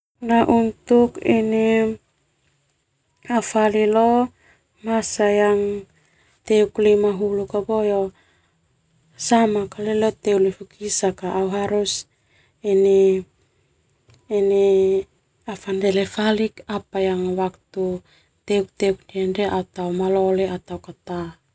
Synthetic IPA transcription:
naʔunt̪ukini | afalilo | masajaŋ | t̪euklimaɦulukabojo | samakalelot̪eulifukisakaʔːwɦaɾus | eni | ne | afandelefalikapajaŋwakt̪u | t̪euk̚t̪euk̚ndiandeʔat̪awmaloleat̪awkat̪a

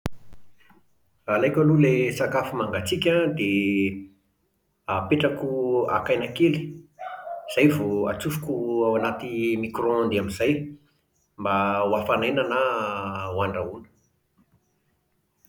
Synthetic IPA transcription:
alajkʲalulesakafimaŋɡat͡sikʲad̪e | apeʈ͡ʂakua̰kajnakeli̥ | z̥ajvoa̰t͡sufu̥kuawanat̪imikrɔ̃nd̪eamizaj | mbawafanajnana | waɳɖ͡ʐaunə̥

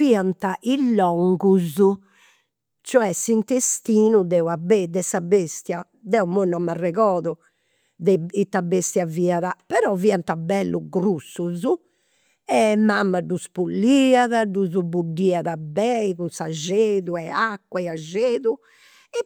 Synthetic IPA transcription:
viːant̪aʔilːɔŋɡuzu | t͡ʃɔɛsint̪est̪iːnuðɛwabɛd̪ɛsabest̪ja | d̪ɛumonɔmːarɛɣɔːðɔ | ðɛit̪ːabest̪javiːaðapɛɾɔviːant̪abɛlːʔuɡɾusːuzu | ɛmamːaɖuspulːiaðaɖuzubuɖːiːaðabɛiɣusad͡ʒeːðuɛakːwaiad͡ʒeːðu | ɛ

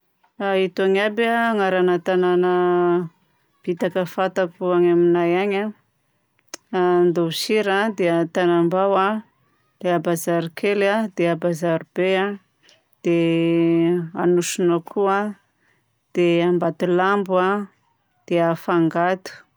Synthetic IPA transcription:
ait̪aŋabaŋaɾanat̪ananə | b̥it̪akəfat̪akuaŋaminajaɲa | and̪ousiɾad̪eət̪anambawa | d̪̥eabazaɾikʰelad̪eabazaɾib̥ea | d̪̥e | anuʃunakʰua | d̪̥eambat̪ulambua | d̪̥eafaŋɡat̪u̥

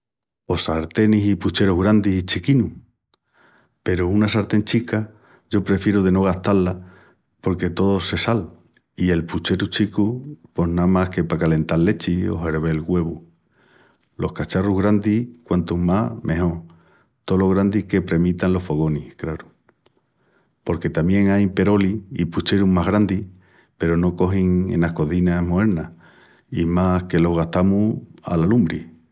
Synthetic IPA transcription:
o̞saɾt̪e̞nisiput͡ʃe̞ɾuɦɣɾand̪iit͡ʃikinu | pe̞ɾounasaɾt̪e̞nt͡ʃika | ʝo̞pɾe̞fjeɾuðe̞no̞ɣ̞aht̪alːa | po̞ɾke̞t̪o̞ðose̞sal | ie̞lput͡ʃe̞ɾut͡ʃikupo̞namahke̞pakale̞nt̪allːe̞t͡ʃio̞̰ɦeɾβe̞lɣwe̞β̞u | lo̞hkat͡ʃaruɦɣɾand̪ikwant̪umamʔe̞ɦo̞ | t̪o̞lo̞ɣɾand̪ihke̞pɾe̞mit̪anlo̞hfo̞ɣ̞o̞nihkɾaɾu̥ | po̞ɾke̞t̪amje̞ŋajpe̞ɾo̞liiput͡ʃe̞ɾumaɦɣɾand̪i | pe̞ɾono̞ko̞ɦiŋḛnahko̞ðinahmoe̞ɾna | imahke̞lo̞ɦɣaht̪amua̰lalumbɾi

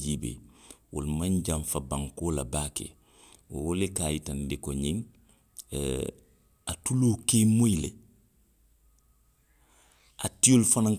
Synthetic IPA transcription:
d͡ʒiːbḛwo̰lmaɲɟaɱfabãŋkoːla̰baːkḛ | wowolekaːjitandikoɲin | atuloːkemojile | atijolfanaŋ

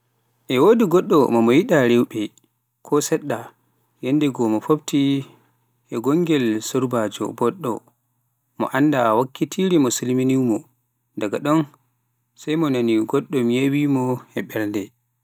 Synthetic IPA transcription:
ʔɛwodiɡɔɗːɔmɔmɔjiɗaɾɛwɓɛ | kʰɔsɛɗːa | jendɛɡɔmɔfobti | ʔɛɡɔŋɡɛlsoɾbad͡ʒɔ̰bɔɗːɔ̰ | mɔ̰ʔandawakːitʰiɾimɔsilminiwmɔ | daɡaɗɔn | sajmɔnaniɡɔɗːɔmijewimɔɛɓɛlndɛ

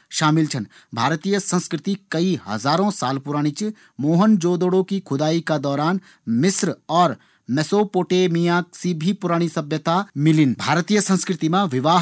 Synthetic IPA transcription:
ʃaːmɪlt͡ʃʰən | bʱaːɾt̪iːjəsə̃nskɾɪt̪ikɐiɦɐ̰zaːɾõsaːlpʊɾaːɽ̃it͡ʃ | moːɦənd͡ʒoːd̪oːɽõkikʰʊd̪aːikad̪ɔːɾaːn | mɪsɾɔːɾ | mɛsoːpoːʈemijaːksibʱipʊɾaːɽ̃isɐbjət̪amɪlɪnbʱaːɾt̪ijəsə̃nskɾɪt̪imãʋɪʋaːɦ

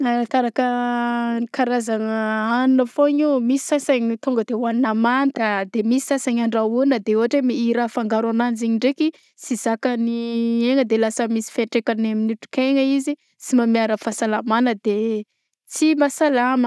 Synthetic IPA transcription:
akaɾakə | kaɾazaŋəanunəfoɲimisi̥sasaɲit̪uŋɡəd̪ewaninamant̪əd̪emisi̥sasaɲaɳɖ͡ʐaunəd̪eoɦaʈ͡ʂemiiɾafaŋɡaɾananziɲiɳɖ͡ʐeki | sizakənieŋəd̪elasəmisi̥feɳʈ͡ʂekaneminuʈ͡ʂu̥keŋəizi | t͡simamiaɾəfasalamanəd̪e | t͡simasalamə

